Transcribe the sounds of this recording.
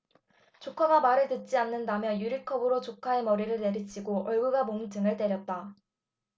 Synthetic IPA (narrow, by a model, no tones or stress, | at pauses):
t͡ɕokʰaɡamaɾɯɭtɯt̚t͡ɕ͈ianːɯndamjʌnjuɾikʰʌbɯɾot͡ɕokʰaemʌɾiɾɯɭte̞ɾit͡ɕʰiɡoʔʌɭɡuɡamoŋd͡ʑɯŋɯɭt͈e̞ɾjʌt̚t͈a